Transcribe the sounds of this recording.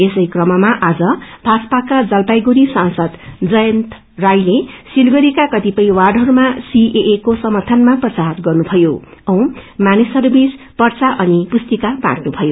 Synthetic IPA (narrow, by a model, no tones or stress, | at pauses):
esʌjkrʌmʌmaʔad͡zʌbʱaspakad͡zʌlpajɡuɾisãnsʌd̪d͡zʌjʌnt̪ | rajlesilɡʌɾikakʌt̪ipʌĩwaɽɦʌɾumasiʔeʔekosʌmʌrt̪ʰʌnmaprʌt͡saɦʌt̪ɡʌrnubʱʌjoʌw̃manisʌɾubis | pʌrt͡saʔʌnipust̪ikaba̰ʈnubʱʌjo